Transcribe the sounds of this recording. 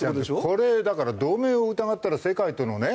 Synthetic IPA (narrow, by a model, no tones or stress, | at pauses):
eaooeɕoko̞ɾe̞d̪akaɾad̪o̞ːmeːoɯ̟t̪aɡat̪ːaɾase̞kait̪onone